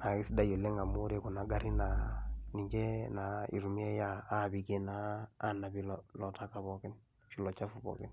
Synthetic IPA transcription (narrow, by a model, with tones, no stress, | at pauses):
na˨ki˦si˦da˦jo˨le˦ŋɡa˨mo˦ɾe˨ku˨na˨ɡa˦ɾi˦na˨ni˨ɲɡe˦na˨ḭ˨ɾu˨mje˦jaː˦βi˨ke˦na̰ː˨˦na˨βi˨llɔ˨ta˦ka˨βɔke˦n | ʃi˨lɔ˨t͡ʃa˦fuβɔ̰ke˦n